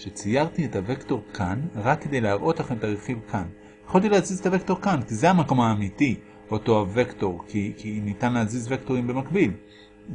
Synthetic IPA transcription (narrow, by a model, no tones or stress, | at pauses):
ʃet͡sijaʁt̪ietavekto̞ʁkʰanʁakːe̞d̪ejleaʁʔo̞taχemt̪aʁeχivkʰan | jeχolt̪̬ilehazizetavekto̞ʁkankizeamako̞maːmiti | oto̞ave̞kto̞ʁkikinitanlehazizvekto̞ʁimbe̞makbil